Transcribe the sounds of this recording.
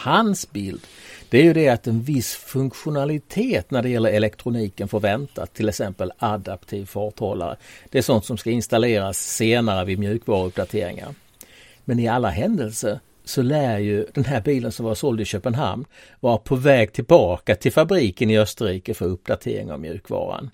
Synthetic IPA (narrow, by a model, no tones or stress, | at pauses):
hansbɪld̪d̪̥ɛæɾjɵd̪ɛat̪ɛnvɪsfɵŋkɧʊnalɪt̪ʰeːt̪næɖɛjɛlːəɾɛlɛkt̪ʰɾʊniːkənfœɾvɛnt̪a̰t̪ʰːɪlɛksɛmpəlad̪apt̪ʰiːvfɑːt̪ʰɑːla̰ɾə̰d̪̥ɛæʂɔnt̪sɔmskaɪnst̪aleːɾasːeːnaɾəvɪmjʉ̟ːkvɑːɾaɵp̚d̪at̪ʰḛːɾɪ̰ŋa̰ɾ | mɛnɪalːaɦɛnd̪əlsəɾ | sɔlæːjɵd̪ɛnɦæːɾbiːlənsɔmvasɔld̪ɪɕøːpənɦa̰mnvɑːɾapʰɔvɛːɡ̚t̪ʰɪlbɑːkat̪ʰɪlfabɾiːkənɪœst̪əɾiːkəfœɾɵp̚d̪at̪ʰḛːɾɪ̰ŋa̰vmjʉ̟ːkvɑ̰ːɾa̰n